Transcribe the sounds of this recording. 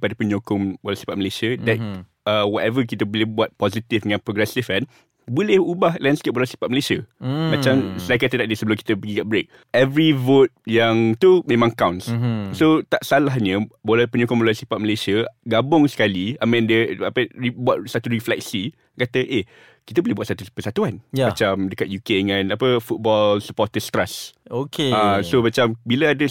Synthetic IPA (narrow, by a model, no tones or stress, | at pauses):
padapəɲokʊŋmbolasi̥pat̪̚məlesiədɛt | əwɔt̪ɛvək̬it̪əbolɛhbuat̪̚pɔzit̪ifdəŋãnpɾɔɡɾɛsifan | bulɛhubahlɛ̃nskep̚bolasi̥pat̪̚məlesiəmãt͡ʃamsajkat̪ədaʔ̚diəsəbəloki̥t̪əpəɡiɡaʔ̚bɾek̚ | ɛvɹivot̪̚jaŋt̪umẽmãŋkawnssot̪aʔsalaɦɲə̃bolɛpəɲukoməlasipat̪̚məlesiəɡabʊŋsə̥kaliamãndəapəibwat̚sat̪uɾiflɛk̚si | kat̪əʔe | kit̪̬əbolebwat̚sat̪upəsat̪uanjamat͡ʃamdəkat̪̚jukedəŋãnapəfut̪̚bɔlsəpɔt̪əst̪ɾasokeasomat͡ʃambiləadə